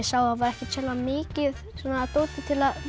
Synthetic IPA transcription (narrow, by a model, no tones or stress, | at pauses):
ɛsaːwaðvaɾɛhcɪt̪ʰɛlamɪːcɪð | sɛnat̪oːwt̪ɪt̪ʰɪlað